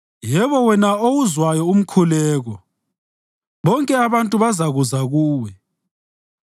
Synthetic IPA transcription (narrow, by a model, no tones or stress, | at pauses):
jɛβɔwɛnaowuzwajɔum̩kʰulɛːɣɔ | βɔŋkʼɛaβantʼuβazaɣuzaɣuːwɛ